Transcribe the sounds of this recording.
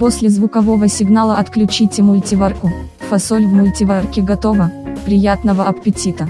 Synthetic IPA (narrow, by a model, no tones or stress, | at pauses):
posʲlʲɪzvʊkɐvo̞vəsʲɪɡnalˠəɐt̪klʲʉt͡ɕitʲɪmʊlʲtʲɪvarkʊ | fɐsolʲvmʊlʲtʲɪvarkʲɪɡɐt̪ovəpɾʲɪjat̪nəvəɐpʲɪtʲit̪ə